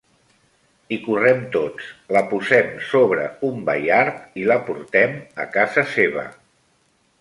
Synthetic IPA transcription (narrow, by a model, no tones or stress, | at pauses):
ikurɛmt̪ot͡sləpuzɛmsoβ̞ɾə̰umba̰jaɾt̪iləpuɾt̪ɛmə̰kazəseβə̰